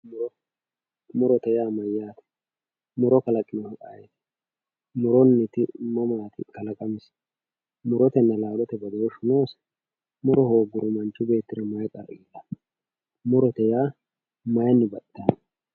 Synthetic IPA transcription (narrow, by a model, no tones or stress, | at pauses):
mʊɾɔ | mʊɾɔt̪ɛjaːmɐjːaːt̪ɛ̥ | mʊɾɔkɐlɐkʼːɪnɔhɐkʼaːjɛt̪ɛ̥ | mʊɾɔnːɪt̪ɪmɐmaːt̪ɪ̰kɐlɐkʼɐmɪs | mʊɾɔt̪ɛnːɐlaːlɔt̪ɛbɐd̪ɐɾʊʃʊnoːs | mʊɾɔhoːɡʊɾʊmɐnt͡ʃːʊbe̞ːt̪ːɪɾɐmɐjkʼɐɾiːlːɐ | mʊɾɔt̪ɛjaː | mɐjɐnːɪbɐt̪ːɐn